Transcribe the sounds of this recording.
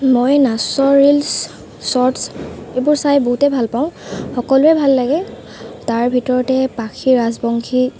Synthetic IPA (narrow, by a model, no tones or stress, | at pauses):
mojnasɔɹils | sɔɹtsebʊɹsajboɦutɛbʱalpaʊ̃xɔkɔlʊɛbʱalːaɡɛ | taɹbʱitɔɹɔtɛpakʰiɹazbɔŋkʰi